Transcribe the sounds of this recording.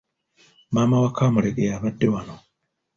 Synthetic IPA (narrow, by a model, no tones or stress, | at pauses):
maːmawakaːmuleɡejaβadːewano